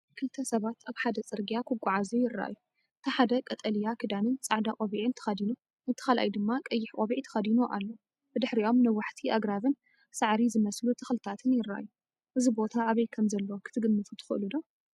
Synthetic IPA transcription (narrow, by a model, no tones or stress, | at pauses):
kʰɨlt̪ʰɐsɐβat̪ʰaβħad̪ɐt͡sʼɨɾɡijakʰɨkʷʼːʊʕazujɪrːa̰ʔa̰jːu | ɨt̪ʰɐħad̪ɐkʼɐt̪ʼɐlijakʰɨd̪anɨnt͡sʼaʕd̪akʼoβiʕɨɨnt̪ʰɨ̥xɐd̪inu | ʔɨnt̪ʰɨ̥xalʔa̰jd̪ɨmːakʼɐjːɪħkʼoβiʕt̪ʰɨ̥xɐd̪inuʔa̰lːo | bɨd̪ɨħɾiʔo̞mnɐwːaħt̪ʰiʔaɡɾaβɨn | saʕɾizɨmɐslut̪ʰɐxlɨt̪ʰat̪ʰɨnjɪɾːa̰ʔa̰jːu | ʔɨzibo̞t̪ʰaːβɐjkʰɐmzɐlːɐokʰɨ̥t̪ʰɨɡɨnːɨfut̪ʰɨ̥xɨʔɨlud̪o